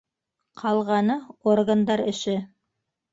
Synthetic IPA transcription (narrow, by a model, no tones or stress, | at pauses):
qʰɑlˠʁɑnɤorɡand̪ɑɾɘ̰̆ʃɘ